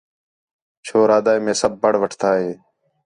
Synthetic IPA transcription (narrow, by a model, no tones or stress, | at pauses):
t͡ʃʰoːɾaːd̪aːjmẽːsəbːəɽʋəʈʰt̪ʰaːɦeː